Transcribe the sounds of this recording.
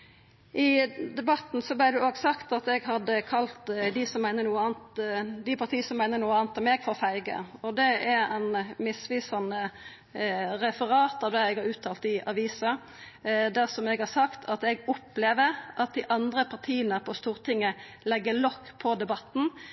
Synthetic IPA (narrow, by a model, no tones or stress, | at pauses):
ʔɪd̪ɛbɑt̪n̩sɔblɪʁd̪ɛoːɡsɑkt̪ɑt̪ɛɡɦɑd̪əkʰɑlt̪d̪ɪsɔmːæɪnəɾnuːəɑːnt̪d̪ɪpʰɑʁt̪ʰiːəsɔmːæɪnəɾnuːəɑːnt̪ɛmɛɡfɔʁɔfæɪɡə̰ɔd̪ɛɛɾɛnmɪsʋiːsɑnə | ʁɛfəʁɑːt̪ɑʋd̪ɛɛɡhɑɾʉːt̪ʰːɑːlt̪ɪʔɑʋiːsɑ | d̪æʁsɔmɛɡhɑsɑkt̪ʰɑt̪ɛɡʊpːleːʋəɾʔɑt̪̚d̪ɪʔɑnd̪ʁəpʰɑʁt̪ʰiːənəpʰɔst̪uːʁt̪ʰɪŋːə | lɛɡːəlɔkːpʰɔd̪ɛbɑt̪n̩